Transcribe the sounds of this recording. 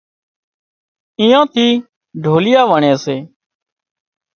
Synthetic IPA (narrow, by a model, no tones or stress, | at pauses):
ĩːãːt̪ʰiː | ɖʱoːlɪjaːʋəɳeːseː